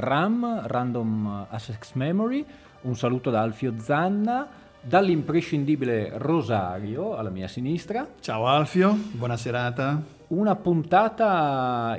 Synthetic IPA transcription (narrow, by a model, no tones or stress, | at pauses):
ramrand̪omasɛksmɛmoɾi | unsaluːt̪od̪aalfjod̪zanːa | d̪alːimpɾeʃind̪iːbileroza̰ɾjoalːamḭːa̰sinist̪ɾat͡ʃaːoalfjobwɔnaseɾaːt̪a | unapunt̪aːt̪a